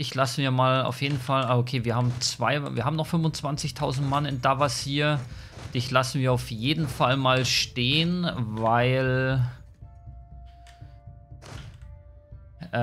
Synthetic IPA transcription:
dɪçlasn̩viːɐmaːla̰ʊfjeːdn̩falʔaokʰeːviːɐhaːbm̩t͡sv̥aɪviːɐhaːm̩nɔχfʏmvʊnt͡sv̥ant͡sɪçtʰaʊzn̩tmanɪndavashiːɐd̥ɪçlasn̩viːɐaʊfjeːdn̩falmaːlʃteːənvaɪl | ʔ

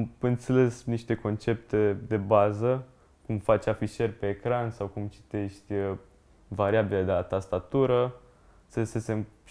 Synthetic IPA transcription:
mɨnt̪se̞le̞sniʃt̪e̞ko̞nt͡ʃe̞p̚t̪e̞d̪e̞bazə | kumfat͡ʃʲafiʃe̞rʲpe̞ːkɾansawkumt͡ʃi̥t̪e̞ʃt̪ʲ | vaɾiabiled̪eat̪ast̪at̪uɾə | səsese̞m

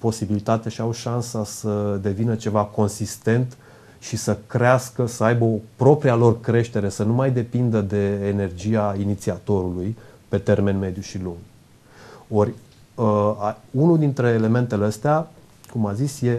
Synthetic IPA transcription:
po̞sibilit̪at̪eaʃiawʃansasəd̪e̞vinət͡ʃe̞vako̞nsist̪e̞nt̪ | ʃisəkɾeaskəsəajbəopɾo̞pɾialo̞rkɾe̞ʃt̪e̞ɾe̞sənumajd̪e̞pind̪əd̪e̞ːne̞rd͡ʒiainit̪siat̪o̞ɾulujpe̞t̪e̞rme̞nme̞d̪juʃiluŋɡ | o̞rʲ | əaunud̪int̪ɾe̞ːle̞me̞nt̪e̞leəst̪ea | kumazisje̞

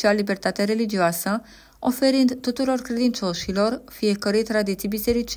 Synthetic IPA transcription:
ialibe̞rt̪at̪eeɾe̞lid͡ʒioasə | o̞fe̞ɾɨnd̪t̪ut̪uɾo̞rkɾe̞d̪int͡ʃo̞ʃilo̞rfije̞kəɾejt̪ɾad̪it̪sijbise̞ɾit͡ʃ

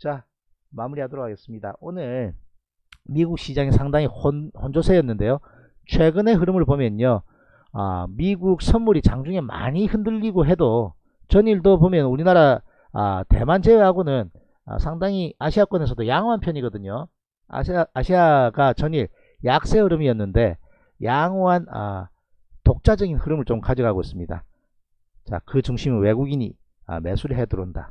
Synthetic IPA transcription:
t͡ɕa | mamuɾihadoɾok̚ʰaɡe̞s͈ɯmɲida̰onɯɭ | miɡuk̚ɕ͈id͡ʑaŋesʰaŋdaŋihohond͡ʑosʰejʌnːɯnde̞jo | t͡ɕʰwe̞ɡɯne̞ɦɯɾɯmɯɭpomjʌɲo | ʌ̰miɡuk̚sʰʌnmuɾit͡ɕaŋd͡ʑuŋe̞ma̰ɲihɯndɯʎːiɡoɦe̞do | t͡ɕʌɲiɭdopomjʌnuɾinaɾa | ʌ̰te̞̰mand͡ʑeeɦaɡonɯn | ʌ̰sʰaŋdaŋiaɕʰiak͈wʌne̞sʰʌdojaŋoɦanpʰjʌɲiɡʌdɯɲo | a̰ːɕʰiaɡat͡ɕʌɲiɭ | jak̚s͈e̞ɯɾɯmiʌnːɯnde̞ | jaŋoɦanʌ̰ | tok̚t͡ɕ͈ad͡ʑʌɡinhɯɾɯmɯɭt͡ɕomkad͡ʑiɡaɡois͈ɯmɲida̰ | t͡ɕa̰kɯt͡ɕuŋɕʰimɯnwe̞ɡuɡiɲi | ʌ̰me̞sʰuɾiɦe̞duɾonda̰

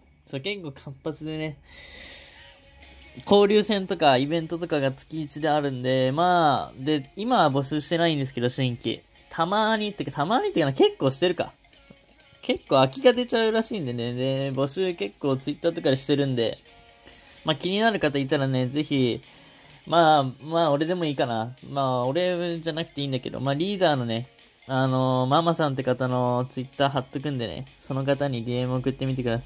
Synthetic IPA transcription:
soke̞kːo̞ːkʰãmpat͡sɨd̪e̞ne̞ | kʰo̞ːɾʲɨːsẽ̞nt̪o̞kaibẽ̞nt̪o̞t̪o̞kaɡat͡sɨ̥kʲiːt͡ɕid̪e̞aɾɯ̟̃nd̪e̞maːd̪e̞imabo̞ɕɨːɕi̥t̪e̞naĩnd̪esɨ̥ke̞d̪oɕĩŋkʲḭ | t̪ʰamaːɲ̟it̪ːeɯkḁt̪amaːɲ̟it̪ekaneke̞kːo̞ːɕi̥t̪e̞ɾɯ̟ka̰ | ke̞kːo̞ːakʲiɡat̪̬e̞t͡ɕaɯ̟ɾaɕĩːnd̪e̞ne̞d̪e̞bo̞ɕɨːke̞kːo̞ːt͡sɨit̪ːaːt̪o̞kad̪aɕi̥t̪e̞ɾɯ̟̃nd̪e̞̰ | maːkʲiɲ̟inaɾɯ̟kat̪ait̪aɾane̞d͡ze̞çi | maːmaːo̞ɾe̞d̪e̞mo̞iːkanamaːo̞ɾe̞d͡ʑanakɯ̟̥t̪e̞ĩːnd̪ake̞d̪o̰maːɾʲiːd̪aːno̞ne̞ | ano̞mamasãnt̪̬ːe̞kat̪ano̞t͡sɨit̪ːaːɦat̪ːok̬ɯ̟̃nd̪e̞nḛso̞no̞kat̪aɲ̟iɾʲiemɯ̟okɯ̟t̪ːe̞mʲit̪e̞kɯ̟d̪asai

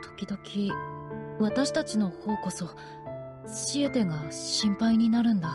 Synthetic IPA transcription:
t̪ʰo̥kʲid̪o̞kʲʰi | βat̪aɕi̥t̪at͡ɕino̞ho̞ːko̞so̞ | ɕie̞t̪e̞ɡaɕĩmpaiɲ̟inaɾɯ̟̃nd̪a

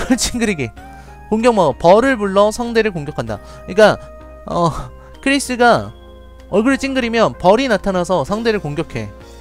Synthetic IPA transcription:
ɭt͡ɕʰiŋɡɯɾiɡe | koŋɡjʌŋmʌpʌɾɯɭbuɭːʌsʰaŋde̞ɾɯɭkoŋɡjʌkʰanda̰ | ɲik͈a | ʌ | kʰɯɾis͈ɯɡa | ʌɭɡɯɾɯɭt͡ɕ͈ʰiŋɡɯɾimjʌnpʌɾinatʰanasʰʌsʰaŋde̞ɾɯɭkoŋɡjʌkʰe̞

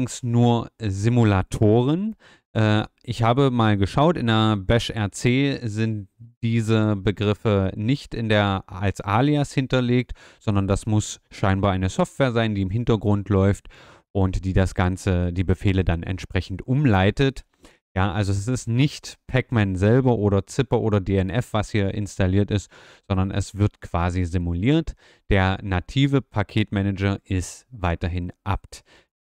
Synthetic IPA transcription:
ŋsnuːɐzɪmulatʰoːʁ̞ən | ʔɛːʔɪçhaːbəmaːlɡəʃaʊtɪndeːɐbɛʃʔɛɐt͡seːzɪntd̥iːzəbəɡʁɪfənɪçtɪndeːɐalsʔaːliashɪntɐleːk̚tz̥ɔndɐndasmʊsʃaɪnbaːɐʔaɪnəsɔftv̥eːɐzaɪndiːɪmɦɪntɐɡʁʊntʰlɔʏft | ʔʊntd̥iːdasɡ̥ant͡səd̥iːbəfeːlədanɛ̰ntʃpʁ̥ɛçn̩tʔʊmlaɪtət | jaːʔalzoɛs̬ɪstnɪçtpʰɛkmɛnzɛlbɐʔoːɾɐt͡sɪpɐʔoːɾɐdeːɛnʔɛfv̥ashiːɐʔɪ̰nstaliːɐtɪst | z̥ɔndɐnʔɛ̰sv̥ɪɐtkv̥aːzizɪmuliːɐt | d̥eːɐnatʰiːvəpʰakʰeːtmɛnɛd͡ʒɐɪstv̥aɪtɐɦɪnʔapt

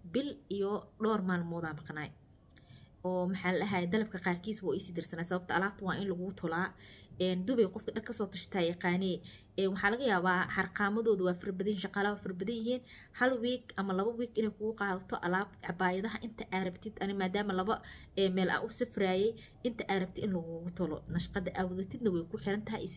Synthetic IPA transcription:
bɪlijɔɖɔːrmaːlmɔːðaːmɑqnaːj | ɔːmɐħɑːlɐlɐɦaːjɛd̪ɐlɐb̚kʰɐqɑːrkʰiːsbʊːɪsiːd̪ɪrsɐnaːsɐβɐbt̪ɐʔɐlaːb̚t̪ʰɐwɑːʔɪnlɐɣʊɣʊt̪ʰʊlaːɛːnd̪ʊβɛjqɔfkʰɐɖɐkʰɐsɔːt̪ʰʊʃt̪ʰaːjɐqɑːnɛː | ɛːnwɑħɑːlɐɣɐjaːβaːħɑrqɑːmɐðɔːðʊwɑːfɪrbɐðɐjɪnʃɑqɑːlɐwaːfɪrbɐðɐjɪɦiːn | hɐlwiːɡɐmɐlɐβɐwiːɡɪnɛjkʰʊɣʊqɑːðɐt̪ʰɔʔɐlaːbɑbaːjɐðɐɦɐʔɪnt̪ʰɐʔaːɾɐbt̪ʰɪd̪ʔɐnɪmaːd̪aːmɐlɐβɐɛmɛːlʔɐ̰ʔʊsɪfraːjɛj | ʔɪnt̪ʰɐʔaɾɐb̚t̪ʰɪd̪ɪnlɐɣʊɣʊt̪ʰʊlɔ̰nɐʃqɑðɐʔawðɛt̪ʰɪd̪nɐwɛjkʰʊħɪɾɐnt̪ʰɐɦɐ̰js

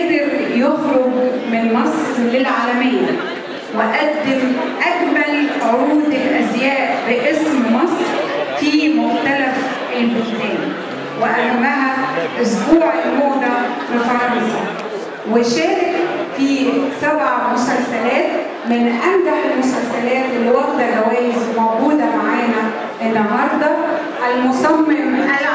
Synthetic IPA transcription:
d̪ɑɾjoɣɾʊbmɪnmɑsˤɾlɪlʕaːlæmɪjːa | wɪʔæd̪ːɪm | ʔækmælʕʊɾuːd̪ɪlʔæzjæːʔbɪʔɪsmmɑsɾfimʊxt̪ælaf | ɪlbʊlt̪æːni | wɪʔæhamːæɦæʔʊsbuːʕɪlmʊd̪afifɾˤɑnsɑ | wɪʃæːɾɪkfisabʕamʊsalsalæːt̪ | mɪnʔand̪aħɪlmʊsalsalæːt̪ʔɪlːwɑɡt̪alawæːjɪzmawɡuːd̪amaʕaːna | ʔɪnːɦɑɾˤd̪ˤɑ | ʔalmʊsɑmːɪɾma

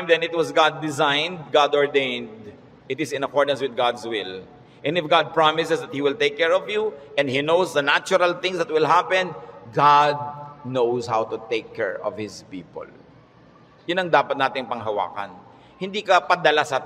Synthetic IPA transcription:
mðɛ̃nɪt̪̚wɔsɡad̪ːɪzãjnd̪̚ɡad̪ɔɹd̪ẽɪnd̪ | ʔt̪ɪsɪ̃nɐkɔɹd̪ɐ̃nswɪð̚ɡad̪swɪl | ʔɛ̃nd̪ɪfɡad̪̚pɹamɪsɛsðɐt̪̚hiwɪlt̪ejkːɛɹɔvjuʔɛ̃nd̪hinowsd̪ɐnat͡ʃʊɾɐlθɪ̃ŋsd̪ɐt̪̚wɪlɦapɛ̃nɡad̪̚nowshawt̪ʊt̪eɪkʰːɛ̰ɹɔ̰vhɪspḭːpɔ̰l | jʊnɐŋd̪aːpɐt̪naːt̪ɪŋpɐŋɦɐwa̰ːkɐ̰n | hɪ̃nd̪iːkɐpɐd̪ɐlasɐ

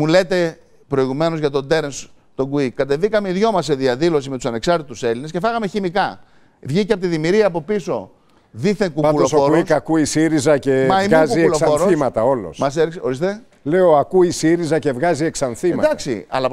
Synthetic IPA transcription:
mule̞t̪e̞ | pɾo̞iɣume̞no̞zʝɐt̪o̞d̪e̞ɾens | t̪o̞ɡuikːɐt̪e̞ðikɐmeiðʝo̞mɐsːe̞ðiɐðilo̞simet̪usɐne̞ksɐɾt̪it̪use̞lines̬ce̞fɐɣɐme̞çimikɐ | vʝicepot̪iðimiɾiɐːpo̞piso̞ | ðiθeŋkupɐulosooɾiskɐkuisiɾizɐcemɐimɐzkuielosfoɾoimɐt̪ɐo̞lo̰smɐseɾso̞ɾist̪e̞ | le̞oɐkuisiɾizɐce̞vɣɐzieksɐnθimɐd̪ɐksḭɐ̰lɐ

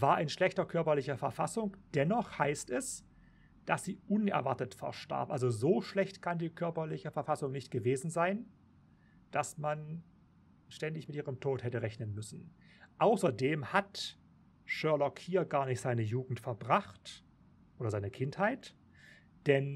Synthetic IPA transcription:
vaːɐʔɪnʃlɛçtɐkʰœɐpɐlɪçɐfɛɐfasʊŋd̥ɛnɔχhaɪstɛs | d̥asz̥iːʔʊnɛ̰ɐvaɐtətfɛ̰ɐʃta̰ɐpʔalzozoːʃlɛçtkʰandiːkʰœɐpɐlɪçəfɛɐfasʊŋnɪçtɡ̥əveːzn̩zaɪn | d̥asman | ʃtɛndɪçmɪtʔiːʁəmtʰoːthɛtəʁɛçnənmʏsn̩ | ʔaʊsɐdeːmhat | ʃœɐlɔkhiːɐɡaːɐnɪçtz̥aɪnəjuːɡŋ̩tfɛɐbʁaχt | ʔoːɾɐzaɪnəkʰɪnthaɪt | d̥ɛn

